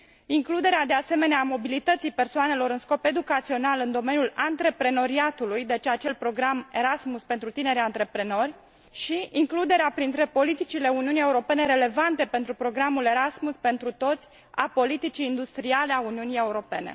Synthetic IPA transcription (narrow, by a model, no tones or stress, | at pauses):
iŋklud̪e̞ɾead̪e̞ase̞me̞neamo̞bilit̪ət̪sijpe̞rsoane̞lo̞ɾɨnsko̞pe̞d̪ukat̪sio̞nalɨnd̪o̞me̞njulant̪ɾe̞pɾe̞no̞ɾiat̪ulujd̪e̞t͡ʃat͡ʃe̞lpɾo̞ɡɾame̞ɾasmuspent̪ɾut̪ine̞ɾʲant̪ɾe̞pɾe̞no̞rʲ | ʃiiŋklud̪e̞ɾeapɾint̪ɾe̞po̞lit̪it͡ʃile̞uniunije̞uɾo̞pe̞neɾe̞le̞vant̪e̞pe̞nt̪ɾupɾo̞ɡɾamule̞ɾasmuspe̞nt̪ɾut̪o̞t̪sʲ | a̰po̞lit̪it͡ʃiːnd̪ust̪ɾiale̞auniunije̞uɾo̞pe̞ne̞̰